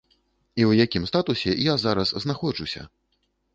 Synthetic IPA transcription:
iwjakʲimst̪at̪usʲɛjazaɾɐsznaxɔt͡ʂusʲɐ̰

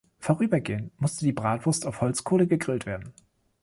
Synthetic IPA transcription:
foːʁyːbɐɡeːənmʊstədiːbʁaːtv̥ʊɐstaʊfhɔlt͡skʰoːləɡəɡʁɪltv̥eːɐdn̩

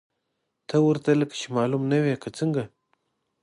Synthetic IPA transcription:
t̪ʰawəɾt̪aləkḁt͡ʃemɑːlumnawekʰat͡səŋɡa

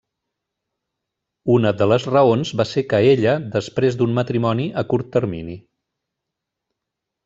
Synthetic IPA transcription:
unəðələzrəonzβasekəeʎəðəspɾezd̪ummət̪ɾimɔniʔəkuɾt̪ːəɾmini

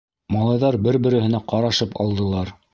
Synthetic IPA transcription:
mɑlˠɑjðɑɾbɘɾbɘ̆ɾɘ̆hɘ̆næqɑɾɑʃɤpɑ̰lˠd̪ɤ̆lˠɑɾ

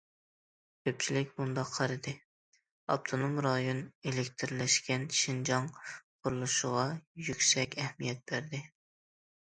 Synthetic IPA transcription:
kʲʰøp̚t͡ʃʰilɪkʲbund̪ɑqʰːɑɾɨd̪ɪ | ɑ̰p̚t̪ʰonomɾɑjonelɪkʲt̪ʰɪɾlɛʃkʲɛnʃind͡ʒɑŋqʰʊɾulˠuʃʊʁɑjykʲsɛkʲɛhmijɛt̪̚b̥æɾd̪ɪ

